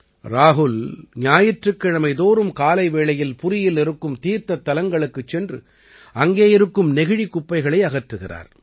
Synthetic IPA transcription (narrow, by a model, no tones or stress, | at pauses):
ɾaːɦʊlɲaːjɪʈrɯkːɪɻɐmɐɪðoːɾɯmkaːlɐɪʋeːɭɐjɪlpʊɾɪjɪlɪɾɯkːɯmt̪iːɾt̪ɐt̪ːɐlɐŋɡɐɭɯkːɯt͡ʃːɛndrɯ̰ | ɐŋɡeːɪɾɯkːɯmnɛɣɪɻikːʊpːɐɪɣɐɭɐɪɐɣɐʈrɯɣɪra̰ːɾ